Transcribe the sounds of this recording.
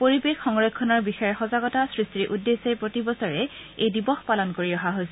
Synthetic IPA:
poɹibexxɔŋɹɔkʰːɔnɔɹbixɔjɔɹxɔzaɡɔtasɹistɹiʔudːesepɹotibɔsɔɹɛejdibɔxpalɔnkoɹiɔɦaɦojsɛ

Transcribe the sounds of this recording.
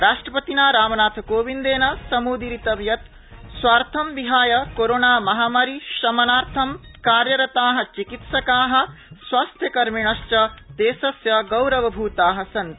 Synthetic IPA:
ɾaːʂʈɾɐpɐt̪inaːɾaːmɐnaːt̪ʰɐkoːʋind̪eːnɐsɐmuːd̪iɾit̪ɐʋjɐt̪ | swaːɾt̪ʰɐmʋiɦaːjɐkoɾoːnaːmɐɦaːmɐɾiʃɐmɐnaːɾt̪ʰɐmkaːɾjɐɾɐt̪aːɦɐ̆t͡ʃikit̪sɐkaːɦɐ̆sʋaːst̪ʰjɐkɐɾmiɳɐʃt͡ʃɐd̪̥eːsɐsjɐɡɐwɾɐʋɐbʱuːt̪aːɦɐ̆sɐnt̪

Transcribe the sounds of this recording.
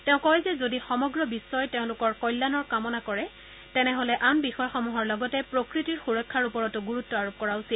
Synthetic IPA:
tɛ̃ʊ̃kɔjzɛzodixɔmɔɡɹɔbisːɔjtẽʊ̃lʊkɔɹkɔjlːanɔɹkamɔnakɔɹɛ | tɛnɛɦolɛʔambixɔjxɔmuɦɔɹlɔɡɔtɛpɹokɹitiɹxuɹɔkʰːaɹupɔɹɔtʊɡuɹutːɔaɹup̚kɔɹaʊsil

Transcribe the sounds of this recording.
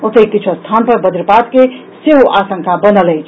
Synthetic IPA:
ot̪ʰejkit͡ʃʰost̪ʰanpəɾbəd̪iɾpad̪ke | seɦoʔasəŋkʰabənəlɛjt͡ʃʰ

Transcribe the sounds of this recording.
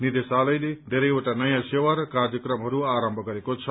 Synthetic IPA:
nid̪esalʌjled̪ʱeɾʌjeʈanʌjãsewaɾkard̪jʌkɾʌmɦʌɾuaɾʌmbʱʌɡʌɾekot͡sʰʌ

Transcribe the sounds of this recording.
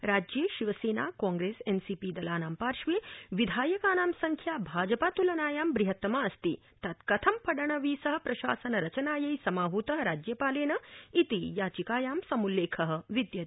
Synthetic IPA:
ɾaːd͡ʒjeːʃiʋɐseːna̰ːkɔ̃ːŋɡɾeːsensiːpiːd̪ɐlaːnaːmpaːɾʃʋeːʋid̪ʱaːjɐkaːnaːmsɐŋkʰjaːbʱaːd͡ʒɐpaːt̪ulɐnaːjaːmbɾiɦɐt̪ːɐmaɐst̪i | t̪ɐt̪kɐt̪ʰɐmpɐɽɐɳɐʋiːsɐɦɐ̆pɾɐʃa̰ːsɐnɐɾɐt͡ʃɐnaːjɐjsɐmaːɦuːt̪ɐɦɐɾaːd͡ʒjɐpaːleːnɐit̪ijaːt͡ʃikaːjaːmsɐmulːeːkʰɐɦɐ̆ʋid̪jɐ

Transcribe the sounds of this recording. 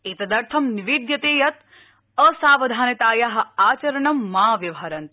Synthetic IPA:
eːt̪ɐd̪ɐɾt̪ʰɐmniʋiːd̪jɐt̪eːjɐt̪̚ | ɐsaːʋɐd̪ʱaːnɐt̪aːjaːɦɐ̆aːt͡ʃɐɾɐɳɐmːaːʋjɐʋɦɐɾɐnt̪

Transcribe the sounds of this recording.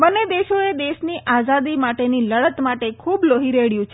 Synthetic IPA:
bənːed̪eʃoed̪eʃniʔazad̪imaʈeniləɭət̪maʈekʰubloɦiɾeɭjũt͡ʃʰe

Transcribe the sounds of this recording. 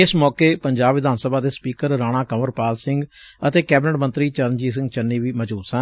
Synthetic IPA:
ɪsmɔːkeːpəɲd͡ʒaːbʋɪd̪aːnsəbaːd̪eːspiːkəɾːaːɽ̃aːkəməɾpaːlsɪ̃ŋɡət̪eːkɛːbɪnəʈmənt̪ɾiːt͡ʃəɾənd͡ʒiːs̬ɪ̃ŋɡt͡ʃənːiːʋiːməd͡ʒuːsə̃ː

